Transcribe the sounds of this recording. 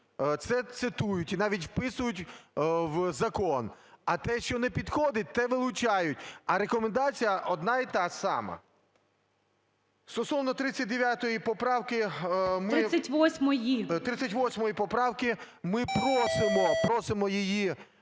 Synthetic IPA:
t̪sɛt̪sɪt̪ujʊtʲinɑʋʲitʲwpɪsʊjʊtʲʋzɐkɔnɐt̪ɛʃt͡ʃɔnɛpʲid̪xɔd̪ɪt̚ʲt̪ɛʋɪlˠʊt͡ʃɑjʊtʲɐɾekɔmend̪ɑt͡sʲijɐʔɔd̪nɑit̪ɑsɑ̰mɐ̰ | st̪ɔsɔʋnɔt̪ɾɪt͡sʲɐt̚ʲd̪eʋʲjat̪ɔjipɔpɾɑwkɪmɾɪɪsʲɐtʲʋɔsʲmɔjit̪ɾɪt͡sʲːɐtʲʋɔsʲmɔjipɔpɾɑwkɪ | mɪpɾɔsɪmɔpɾɔsɪmɔjiji

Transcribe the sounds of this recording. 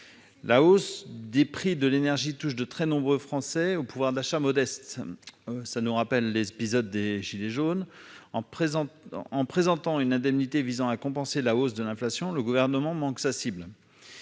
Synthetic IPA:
laosd̪epχid̪əlenɛʁʒit̪uʃd̪ət̪χɛnɔ̃bʁøfχɑ̃sɛopuvwaʁd̪aʃamɔd̪ɛst̪ | sanuʁapɛlːezepizɔd̪ːeʒileʒonɑ̃ | ɑ̃pχezɑ̃t̪ɑ̃ynɛ̃d̪ɛmnit̪evizɑ̃akɔ̃pɑ̃selaosd̪əlɛ̃flasjɔ̃ləɡuvɛʁnəmɑ̃mɑ̃ksasibl

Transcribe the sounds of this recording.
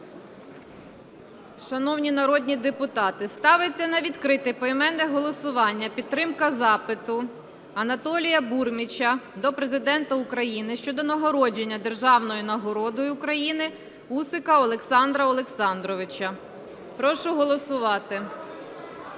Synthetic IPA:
ʃɐnɔwnʲinɐɾɔd̪ʲnʲid̪epʊt̪ɑt̪ɪst̪ɑʋɪt͡sʲːɐnɐʋʲid̪kɾɪt̪ɪpɔimɛnːɛɦɔlˠɔsʊʋɑnʲːɐpʲid̪t̪ːɾɪmkɐzɑpɪt̪ʊ | ɐnɐt̪ɔlʲijɐburmʲit͡ʃɐd̪ɔpɾe̞zɪd̪ɛnt̪ɐʊkɾɐjinɪʃt͡ʃɔd̪ɔnɐɦɔɾɔd͡ʒenʲːɐd̪e̞rʒɑwnɔjʊnɐɦɔɾɔd̪ɔjʊːkɾɐjinɪ | usɪkɐɔlˠeksɑnd̪ɾɐɔlˠeksɑnd̪ɾɔʋɪt͡ʃɐ | pɾɔʃʊɦɔlˠɔsʊʋɑt̪ɪ

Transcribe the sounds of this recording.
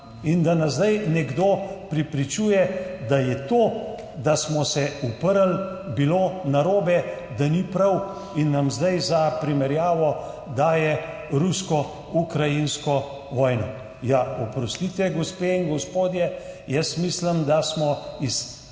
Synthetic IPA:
ind̪anazd̪ajnɛɡd̪oːpɾɛpɾit͡ʃuːjɛd̪ajɛt̪oː | d̪asmɔsɛupəɾal | biloːnaɾoːbɛ | d̪anipɾaw | inːamzd̪ajzapɾimɛɾjaːʋɔ | d̪aːjɛ | ɾuskɔ | ukɾajinskɔ | ʋɔːjnɔ | jaɔpɾɔst̪it̪ʋɛɡɔspeiŋɡɔspoːd̪jɛjɛsmiːsləmd̪asmɔis

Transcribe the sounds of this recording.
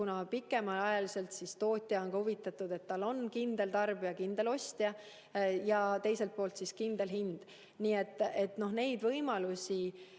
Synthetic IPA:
unɑpikːˑe̞mɑlɑjɑlise̞lt̪sist̪o̞ːt̪ʲˑjɑonkɑhuvit̪ːˑɑt̪ud̪̥e̞t̪ːɑlo̞nkind̪̥e̞lt̪ɑrb̥ijɑkind̪e̞lo̞sʲt̪jɑ | jɑt̪e̞jse̞lt̪̚po̞ːlt̪siskind̪e̞lɦind̪̥ | niːe̞t̪ːˑe̞t̪no̞hne̞jd̪vɤjmɑlusʲi

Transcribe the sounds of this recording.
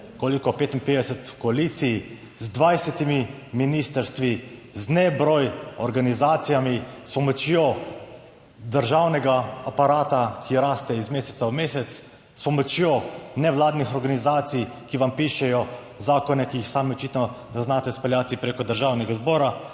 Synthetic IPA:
koːlikɔpeːt̪inpeːd̪ɛsɛt̪kɔaliːt̪sij | zd̪ʋajsɛt̪imi | miniːst̪əɾst̪ʋiznɛbɾɔːjɔɾɡanizaːt̪sijamispɔmɔt͡ʃjoː | d̪əɾʒaːwnɛɡaapaɾaːt̪akʰiɾaːst̪ɛizmeːsɛt̪saumeːsɛt̪s | spɔmɔt͡ʃjoːnɛʋlaːd̪nixɔɾɡanizaːt̪sijkiʋampiːʃɛjɔ | zaːkɔnɛkijixsaːmiɔt͡ʃit̪nɔnɛznaːt̪ɛspɛljaːt̪ipɾeːkɔd̪əɾʒaːwnɛɡazbɔːɾa

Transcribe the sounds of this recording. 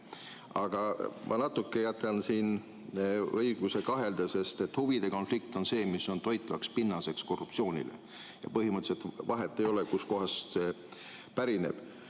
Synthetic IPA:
ɑɡ̥ɑmʔɑ̰nɑt̪ːˑukːe̞jæt̪ːˑelnsiːn | ɤiɡ̥use̞kɑɦe̞ld̪̥ɑse̞st̪e̞t̪ːhuvid̪̥e̞ko̞nflik̚t̪o̞nse̞ːmiso̞nt̪o̞jt̪ˑːvɑkspinːɑse̞ksko̞rːuptsio̞ːnʲḭlḛ | jɑ̰pɤɦimɤt̪ːˑselt̪vɑɦet̪ˑːejo̞lekusko̞ɦɑst̪se | pæɾine̞̰b̥

